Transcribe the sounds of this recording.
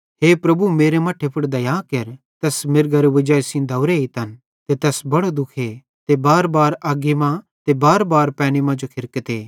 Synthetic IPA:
ɦeːpɾɐbumeːɾemɐʈʰepʰʊʈd̪ɐjaːkeɾ | t̪ɐsmɪɾɡɐɾeʋɪd͡ʒaːsĩd̪ɐwɾeit̪ɐn | t̪et̪ɐsbɐɽ̃od̪ʊkʰe | t̪ebaːɾbaːɾaːɡimã | t̪ebaːɾbaːɾpɛːɽ̃imãd͡ʒokʰɪɾkət̪eː

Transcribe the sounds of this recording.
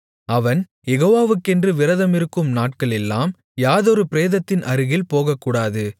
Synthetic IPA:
ɐʋɐn | jɛɣoːʋaːʋɯkːɛndrɯʋɪɾɐðɐmɪɾɯkːɯmnaːʈ̚kɐɭɛlːaːm | jaːðoɾɯpɪɾeːðɐt̪ːɪnʔɐɾɯɣɪlpoːɣɐkːuːɽaːðɯ

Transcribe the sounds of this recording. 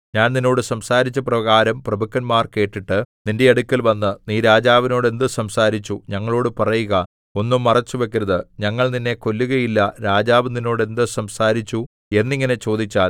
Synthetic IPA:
ɲaːnnino̞ːɽɨsɐmsaːɾit͡ɕːɐprɐɣaːɾɐmprɐbɐkːɐnmaːrke̞ːʈːiʈːɨninde̞ɐɽukʲːɐlʋɐnːɨniːɾaːd͡ʑaːʋino̞ːɽe̞nd̪ɨsɐmsaːɾit͡ɕːuɲɐŋːɐɭo̞ːɽɨpɐrɐjuɣɐ | o̞nːumːɐrɐt͡ɕːuʋe̞kːiɾɐðɨɲɐŋːɐɭninːe̞ko̞lːuɣɐjilːɐɾaːd͡ʑaːʋɨnino̞ːɽe̞nd̪ɨsɐmsaːɾit͡ɕːu | e̞nːiŋːɐne̞t͡ɕo̞ːd̪it͡ɕːaːl

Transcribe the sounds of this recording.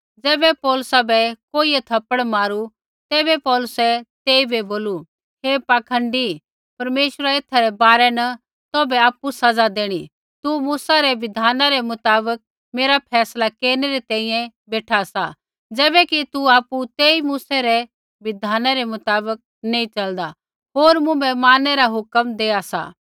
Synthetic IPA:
d͡zɛːbɛpɔːlʊsabɛkoːiɛt̪ʰɐpəɽ̃maːɾu | t̪ɛːbɛpɔːlʊsɛt̪eːibeboːlu | ɦepaːkʰə̃ɳɖi | pɐɾmeːʃəɾaeːt̪ʰaɾɛbaːɾɛnɐ | t̪oːbɛaːpusɐd͡zad̪eːɽ̃i | t̪umuːsaɾɛʋɪd̪ʱaːnaɾɛmʊt̪aːbək̚ | meːɾapʰɛːslakeːɾnɛɾɛt̪ɛ̃ːĩjɛ̃beːʈʰasa̰ | d͡zɛːbɛkit̪uaːput̪eːimuːsɛɾɛ | ʋɪd̪ʱaːnaɾɛmʊt̪aːbək̚neːĩt͡ʃɐld̪a | ɦoːɾmʊ̃bɛmaːnːɛɾaɦʊkəmd̪eːasa̰

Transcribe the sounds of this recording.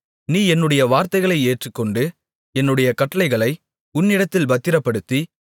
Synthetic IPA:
niːɛnːɯɽɐjɐʋaːɾt̪ɐɪɣɐɭɐɪeːʈrɯkːɔɳɖɯ | ɛnːɯɽɐjɐkɐʈːɐlɐɪɣɐɭɐɪ | ʊnːɪɽɐt̪ːɪlbɐt̪ːɪɾɐpːɐɽɯt̪ːi

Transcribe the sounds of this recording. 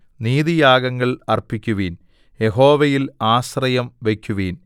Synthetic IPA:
niːðijaːɡɐŋːɐɭɐrpikʲːuʋiːn | je̞ɦo̞ːʋɐjilaːsrɐjɐmʋe̞kʲːuʋiːn

